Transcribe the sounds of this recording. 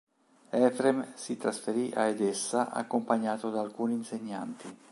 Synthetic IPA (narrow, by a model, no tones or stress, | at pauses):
ɛfɾemsit̪ɾasfeɾiʔa̰ed̪esːaʔa̰kːompaɲːaːt̪od̪aːlkuːniːnseɲːa̰nt̪i